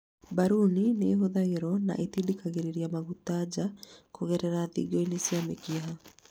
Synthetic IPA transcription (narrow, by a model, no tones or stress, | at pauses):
baɾunineɦoðaɣeɾɔna̰ʔetidikaɣeɾeɾiamaɣutad͡ʑakoɣɛɾɛɾaðḭɡoinesjamḛkiɦa